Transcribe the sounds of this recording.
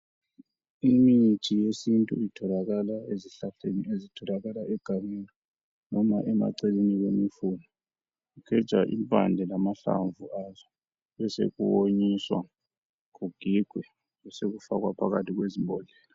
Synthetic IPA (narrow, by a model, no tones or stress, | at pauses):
imit͡ʃʰʼijesintʼuitʰɔlaɣalaeziɬaɬeniezitʰɔlaɣalaʔɛɡ̥ʱamilɔ | nɔma̰ʔɛma̰ǀeliniɣemifunɔ | ukʰɛ̥t͡ʃʼaʔḭmpʼa̰nd͡ɮʱɛlamaɬa̰ɱvʱuazɔ | βɛsḛɣṵwoɲiswa̰ | kuɡ̥ʱiɡ̥ʱwɛ | wɛseɣufaɣwapʰaɣatʰiɣwezimbʱɔɮɛːla